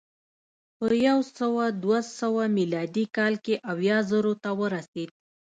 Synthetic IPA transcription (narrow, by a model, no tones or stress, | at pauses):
pəjawsəwad̪wasəwamilɑd̪ikɑlkeʔawjɑzəɾot̪awəɾased̪̚